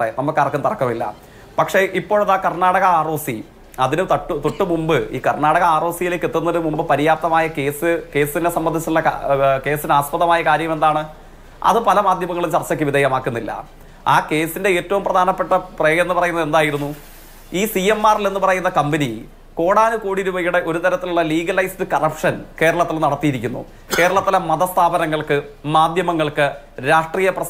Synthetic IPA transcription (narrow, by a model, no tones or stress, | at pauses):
enɐmːɐkːɐrɐkːunt̪ɐrɐkːɐmilːɐ̰ | pɐkʂe̞ʔipːo̞ːɻɭɐðaːkɐrɳaːɽɐɣɐaːro̞ːsi | ɐðinɨt̪ɐʈːt̪uʈːɨmumbɨḭːkɐrɳaːɽɐɣɐaːro̞ːsijileːkːet̪ːunːɐðɨmumbɨpɐɾijaːp̚t̪ɐmaːjɐkeːsɨke̞ːsinesɐmbɐnd̪ʱit͡ɕːuɭːɐkake̞ːsinaːspɐðɐmaːjɐkaːɾjɐme̞nd̪aːɳɨ | ɐ̰ðɨpɐlɐmaːd̪ʱjɐmɐŋːɐɭumt͡ɕɐrt͡ɕːɐk̬ʲːɨʋid̪ʱeːjɐmaːkːunːilːɐ̰ | aːke̞ːsinde̞eːtːɐʋumprɐd̪ʱaːnɐpːe̞ʈːɐpreːjenːupɐrɐjunːɐðe̞nd̪aːjiɾunːu | iːsiemːaːrile̞nːɨpɐrɐjunːɐkɐmbɐni | ko̞ːɽaːnukoːɽiɾuʋɐjuɽe̞ʔo̞ɾut̪ɐɾɐt̪ːiluɭːɐliːɡɐlɐjstɨkɐrɐpʂɐnke̞ːɾɐɭɐt̪ːilnɐɽɐt̪ːijiɾikʲːunːṵ | ke̞ːɾɐɭɐt̪ːilɐmɐðɐst̪ʰaːbɐnɐŋːɐɭkɨmaːd̪ʱjɐmɐŋːɐɭkɨ | ɾaːʂʈriːjɐprɐ